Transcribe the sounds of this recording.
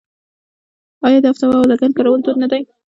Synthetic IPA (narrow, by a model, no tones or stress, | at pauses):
ɑjɑd̪əaft̪awɑawlaɡankɑɾawəlt̪od̪nad̪aj